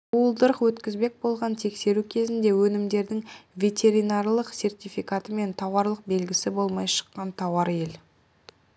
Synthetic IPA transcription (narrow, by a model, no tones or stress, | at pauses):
uəlˠd̪əɾəqwɵt̪kʲɪzbe̞k̚bo̞lˠʁɑnt̪ʰe̞kse̞ɾukʲʰe̞zɪnd̪e̞wɵnɪmd̪e̞ɾd̪ɪŋvʲe̞t̪ʲe̞ɾijnarlˠəqse̞rt̪ʲifikat̪əme̞nt̪ʰɑwɑɾlˠəq̚be̞lɡʲɪsɪbo̞lˠmɑjʃə̥qːɑnt̪ʰɑwɑɾje̞l